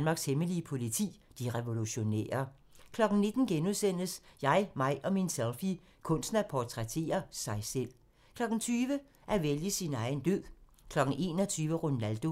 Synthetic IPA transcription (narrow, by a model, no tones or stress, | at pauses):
nmɑ̈ɡ̥sheməliəpʰo̝lit͡sʰḭːd̥iʁɛʋo̝luɕo̝nḛːɐ | kʰlɒ̽ɡ̥n̩ne̝d̥n̩ɡ̥enuðˠsen̰əsjɑ̈ɪmɑ̈ɪʔɒ̽minselˠfi | kʰɔ̽nsnæpʰɒt͡sʰʁɛt͡sʰe̝̰ːɐsɑ̈ɪsel̰ | kʰlɒ̽ɡ̥n̩t͡sʰyːʋə | ʔæʋeləsinɑ̈ɪn̩d̥ø̰̥ː | kʰlɒ̽ɡ̥n̩ʔe̝̰ːnɒt͡sʰyːʋəʁunæld̥o̝